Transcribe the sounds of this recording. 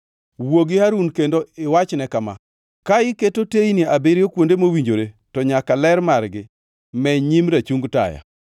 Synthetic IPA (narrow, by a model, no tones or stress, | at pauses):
woɡɪhaɾunkendoɪwat͡ʃnɛkama̰ | kaɪketotejniabeɾjokwondemowiɲd͡ʒoɾe | tɔɲakalɛɾmaɾɡɪ | mɛɲimɾat͡ʃuŋɡta̰ja̰